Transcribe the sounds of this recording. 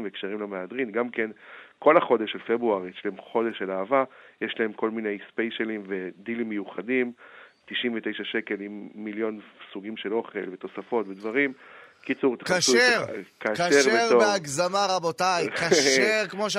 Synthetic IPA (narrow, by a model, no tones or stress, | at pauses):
veːkʃeʁimlamead̪ʁinɡamkenko̞laχo̞d̪eʃelfebʁuaʁjeʃlaemχo̞de̞ʃelaːvajeʃlae̞mko̞lmine̞jspejʃelimved̪ilimːejuχadimt̪iʃimvet̪e̞jʃaʃeke̞limːiljo̞nsuɡimʃelo̞χe̞lvet̪o̞safo̞t̪ved̪vaʁimkit͡suʁt̪aχaʃskaaʃeveʁobeaɡzamaʁabotajkaʃeʁkmoʃ